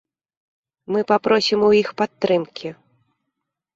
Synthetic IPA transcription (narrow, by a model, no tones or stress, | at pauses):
mɨpapɾɔsʲimuixpat̪ːɾɨmkʲʰi